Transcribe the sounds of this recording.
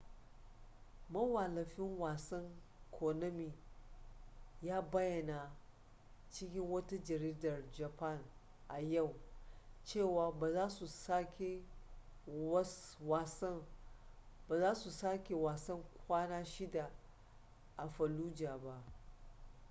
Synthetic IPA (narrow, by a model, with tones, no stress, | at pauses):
mɐ˦wa˨lɐ˨ɸɪ˦ŋwaː˨sɐ˦ŋ | kʰoː˨nɐ˦mi˨ | jaː˦bɐ˦jɐ˨na˨ | t͡ʃɪ˦kʲɪ˦ŋwɐ˦ta˦d͡ʒɐ˨ɾiː˦dɐ˨rd͡ʒa˨pa˦˨n | ʔa˨ja˦˨w | t͡ʃeː˦˨waː˨ba˨zaː˦su˨sa˦kʲe˨˦ | wa˨sɐ˦ | baː˨zaː˦su˨saː˦kʲe˨waː˨sɐ˦ŋkʷaː˦naː˦ʃɪ˦da˨ | ʔa˨ɸɐ˨luː˦d͡ʒaː˨ba˦ʔ